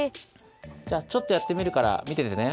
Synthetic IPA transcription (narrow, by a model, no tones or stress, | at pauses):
d͡ʑaːt͡ɕo̞t̪ːojat̪ːe̞mʲiɾɯ̟kaɾa̰mʲit̪e̞t̪ene